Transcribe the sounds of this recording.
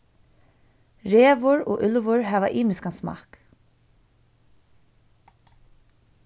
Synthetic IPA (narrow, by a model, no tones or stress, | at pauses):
ɹeːvʊɹɔ̰ːʔʏlvʊɹhaːvaʔiːmɪskansmɑ̰ːk